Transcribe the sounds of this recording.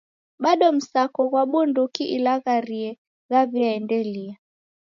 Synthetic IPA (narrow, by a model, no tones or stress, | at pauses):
ɓaɗɔm̩sakɔɣwaɓundukiʔilaɣaɾiɛ | ɣaβiaɛndɛlia